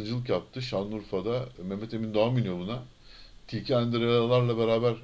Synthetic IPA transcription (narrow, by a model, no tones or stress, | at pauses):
ɯnd͡ʒɯlˠɯkjap̚t̪ʰɯʃanˠnuɾfad̪amemːet̪ʰemind̪oaminjobˠuna | t̪ʰiːcʰiænd̪iɾalˠaɾlˠabe̞ɾaːbæɾ